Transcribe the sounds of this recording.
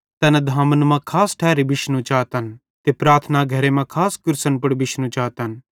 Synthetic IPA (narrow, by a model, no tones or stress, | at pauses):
t̪ɐnɛd̪ʱaːmənmãkʰaːsʈʰɛːɾibɪʃnũt͡ʃaːt̪ən | t̪epɾaːt̪ʰnaɡʱɐɾemãkʰaːskʊɾsənpʊɽbɪʃnũt͡ʃaːt̪ən